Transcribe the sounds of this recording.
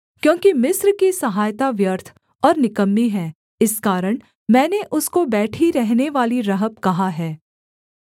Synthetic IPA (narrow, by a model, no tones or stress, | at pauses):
kjõːkimɪsɾkisɐɦaːjt̪aʋjəɾt̪ʰ | ɔːɾnɪkəmːiɦɛː | ɪskaːɾəɽ̃ | mɛ̃ːneʔʊskobɛːʈʰiɾɛɦneʋaːliɾɐɦəbkɐɦaɦɛː